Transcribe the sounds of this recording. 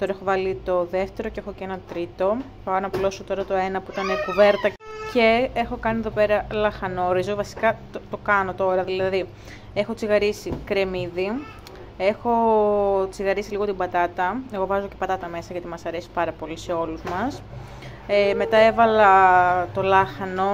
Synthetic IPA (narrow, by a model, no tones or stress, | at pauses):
t̪o̞ɾɐe̞xo̞vɐlit̪o̞ðe̞ft̪e̞ɾocee̞xo̞cenɐt̪ɾit̪o̞ | pɐnɐplo̞sot̪o̞ɾɐt̪o̞e̞nɐpuit̪ɐnekuve̞ɾt̪ɐce̞exo̞kɐnieðo̞pe̞ɾɐlɐxɐno̞ɾizo̞vɐsi̥kɐ | t̪okɐno̞t̪o̞ɾɐðilɐði | e̞xo̞t͡siɣɐɾisikɾe̞miði | e̞xo̞t͡siɣɐɾisiliɣo̞t̪imbɐt̪ɐt̪ɐe̞ɣo̞vɐzo̞ce̞pɐt̪ɐt̪ɐme̞sɐʝɐt̪imɐsɐɾe̞si̥pɐɾɐpo̞lise̞o̞luzmɐs | eme̞t̪ɐevɐlɐt̪o̞lɐxɐno̞